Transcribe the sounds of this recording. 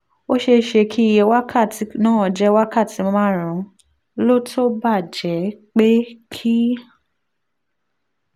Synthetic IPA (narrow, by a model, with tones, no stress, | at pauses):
o˦ʃe˧ʃe˧kʰi˦i˧˨jɛ˧wa˦kʰa˦˨ti˨˧˦nãː˦˨d͡ʒɛ˦wa˦ka˦˨ti˨˦mõ˧mãː˦˨ɾ̃ũ˨˦ | lo˦tʰo˦ba˦˨d͡ʒɛ˨˦k͡pe˦kʰi˦